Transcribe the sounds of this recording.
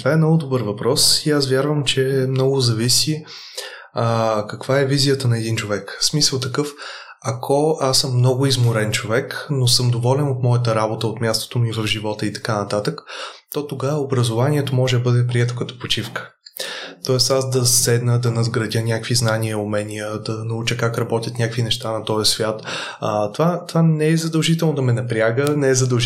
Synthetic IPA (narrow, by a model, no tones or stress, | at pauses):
t̪vaɛmnɔɡʊd̪obɤɾvɐpɾɔsias̬vʲjaɾvəmt͡ʃɛmnɔɡʊzɐvisi | kɐkv̥aɛvizijət̪ənɐɛd̪int͡ʃovɛksmisəlˠt̪ɐkɤf | ɐkʰɔasːɤmːnɔɡʊizmʊɾɛnt͡ʃovɛknosɤmd̪ovɔlɛnot̪mɔjət̪̬əɾabot̪əot̪mʲjast̪o̥t̪omivəvʒivɔt̪əit̪ɐ̥kanɐt̪at̪əkt̪ɔt̪oɡavəobɾəzovaniɛt̪omɔʒɛd̪ɐbɤd̪ɛpɾiɛt̪o̥kɐt̪ɔ̥pot͡ʃifkə̥ | t̪ɔɛst̪asd̪ɐsɛd̪nəd̪ɐnɐzɡɾɐd̪ʲjənʲakviznaniəomɛnʲijəd̪ɐnɐut͡ʃəkakɾɐbɔt̪ʲjət̪nʲjakvinɛʃt̪anɐt̪ɔjəsvʲjat̪ | ət̪ovat̪ovanɛɛzɐd̪ɐlˠʒit̪ɛlˠnod̪ɐmɛnɐpɾiaɡənɛɛzɐd̪ɐlˠʒ